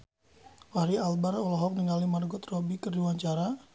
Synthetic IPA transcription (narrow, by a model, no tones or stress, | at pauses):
wahɾialbarɔlɔɦɔk̚niŋalimarɡʊt̪rɔbikərdiwaɲt͡ʃaɾa